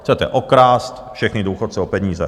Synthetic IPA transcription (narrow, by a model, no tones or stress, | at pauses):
t͡sɛt̪ɛ̰ʔokɾaːst̪fʃɛxnɪduːxot̪t͡sɛopɛɲiːzɛ̰